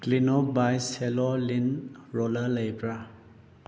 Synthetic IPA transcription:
klinɔbajselɔlinɾɔlələjpɾa

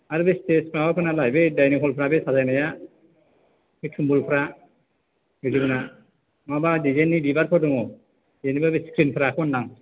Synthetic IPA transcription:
aɾɯbestesmabapʰɯnalajbedajnipʰɔlpʰɾabesazajnaja | betʰumbulpʰɾa | bɯzibɯna | mabadizenibibaɾpʰɔɾdɔŋɔ | enibabeskɾinpʰɾakʰɔndaŋ

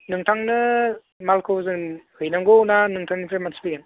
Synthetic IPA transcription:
nɯŋtʰaŋnɯ | malkʰɯwzɯnhɯjnaŋɡownanɯŋtʰaŋnipʰɾemansi̥pʰɯken

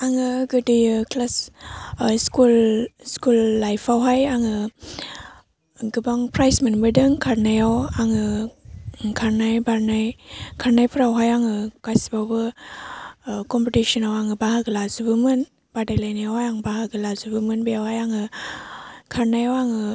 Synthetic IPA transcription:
aŋɯɡɯdɯjɯklas | skulskulːajpʰawɦajaŋɯ | ɡɯbaŋpɾajsmɯnbɯdɯŋkʰaɾnajawaŋɯ | kʰaɾnajbaɾnajkʰaɾnajpʰɯɾawɦajaŋɯkasibawbɯ | kɔmpitisɔnawaŋɯbahaɡɯlazubɯmɯn | b̥adajlajnajawhajaŋbaɦaɡɯlazubɯmɯnbejawhajaŋɯ | kʰaɾnajawaŋɯ

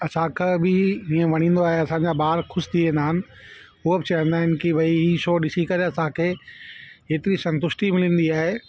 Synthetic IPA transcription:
ɐsãkʰebɪiːə̃ʋɐɽ̃ĩːn̆d̪oaːɦeɐsãɲd͡ʑabaːɾxʊʃt̪ʰiẽːnd̪aːɦɪnɪ̆ | ɦubɪt͡ɕɐə̃nd̪aːɦɪnkiʋɐiɦiʃoːɗɪsikɐɾeɐsãkʰeː | eːt̪ɪɾisɐ̃nt̪ʊʃʈimɪlĩːn̆d̪iaːɦeː

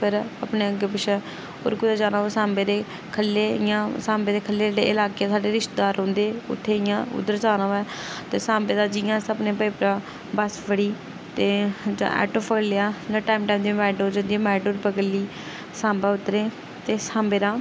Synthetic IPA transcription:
pʰɪɾəpneːəɡeːpɪʃɛ | o̰ːɾkʊd̪aːd͡ʒaːnaːʋːsãːmbeːɾeː | kʰəlːeːɪjãːsãːmbeːd̪eːkʰəlːeːɖeːɪlaːkeːaːsaːɖeːɾɪʃt̪d̪aːɾɦõːnd̪eːʊ̰t̪ʰːeːɪjãːʊ̰d̪əɾt͡ʃaːnãːɛːt̪eːsãːmbeːd̪aːd͡ʒɪjãːsəbneːpəpɾãː | bəsʋəɽiː | t̪eːd͡ʒa̰ʔɛ̰ːʈoːpʰəklejaːd͡ʒãːʈaːimʈaːimd̪imɛːɖoːd͡ʒãːnd̪iːɛ̃ːmɛːɖoːɾpəɡəliː | sãːmbaːʊt̪ːɾẽː | t̪eːsãːmbeːɾãː

